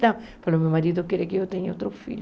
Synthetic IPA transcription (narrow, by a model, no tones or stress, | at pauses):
t̪ɐ̃w̃falomewmaɾiðʊkeɾekɪewt̪eɲowt̪ɾofḭʎ